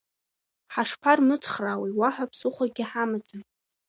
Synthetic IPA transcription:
ħaʂpʰarmɨt͡sʰχrawiwaħʷᶣapʰsʊχʷaɡʲɪħamad͡zʼa

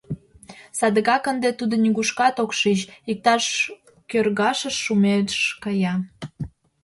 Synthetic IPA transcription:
sɑd̪əɣɑkənd̪et̪ud̪onʲiɣuʃkɑt̪okʃit͡ɕik̚t̪ɑʃ | kørɣɑʃəʃːumeʃkəjɑ

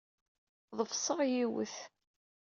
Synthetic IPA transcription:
ðˤəfsˤəʁjiwə̰θ

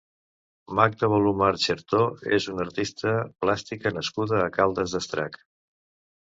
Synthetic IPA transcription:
mak̚d̪əβolumaɾt͡ʃeɾt̪oḛzunəɾt̪ist̪əplast̪ikənəskuðəːkalˠd̪əzðəst̪ɾa̰k

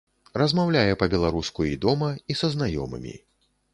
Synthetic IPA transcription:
ɾɐzmawlʲajɛpɐbʲɛlˠaɾuskuid̪ɔmɐisɐznajɔ̰mɨ̰mʲḭ

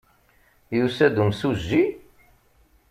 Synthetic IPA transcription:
jusæd̪umsuzːi

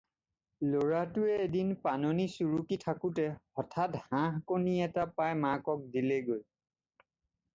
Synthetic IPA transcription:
loɹatʊɛedinpanonisuɹukitʰakutɛhɔtʰathãɦkoniɛtapajmakɔk̚dileɡoj

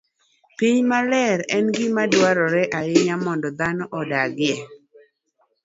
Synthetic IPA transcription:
piɲmalɛɾɛnɡɪmadwaɾɔɾɛʔaɪɲamɔndɔd̪anɔʔɔdaɡɪɛ

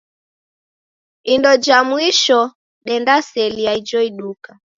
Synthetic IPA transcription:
indɔd͡ʒamwiʃɔ | ɗɛndasɛliaid͡ʒɔiɗuka

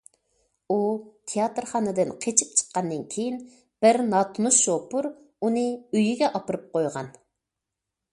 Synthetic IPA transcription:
ut̪ʰejɑt̪ɾχɑnɨd̪ɨnqʰet͡ʃʰip̚t͡ʃʰə̥qːɑnːɨnkʲʰejin | b̥ɪɾnɑt̪ʰnusʃopuɾ | unɨøjiɡʲɛʔɑpɨɾɨp̚qojʁɑ̰n

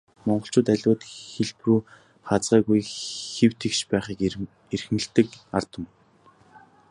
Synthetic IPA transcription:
mɔɴɢɞ̆ɬt͡ɕʰʊːt̪æɮʲwʊːt̪xeɮpruː | χat͡sɢaːɣujxew̥t̪ʰekʃpæːχiːk | erxɘ̆nɘ̆ɬt̪ɘ̆kart̪ə̆m

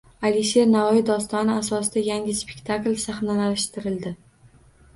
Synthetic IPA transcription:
aliʃe̞ɾnavɒjɪd̪ɒst̪ɒnɪasɒsɪd̪ajaŋʲɪspekʲt̪ʰaklʲsaχnalalʃt̪ɪɾɪld̪ɪ

